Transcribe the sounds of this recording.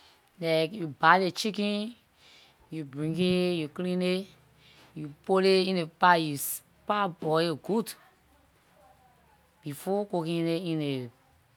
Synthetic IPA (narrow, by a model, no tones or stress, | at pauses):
lakjubalet͡ʃikĩ | jubɹĩŋɡejuklĩne | jupoleĩnepajus | pabɔeɡud | b̥ifɔkokĩneĩne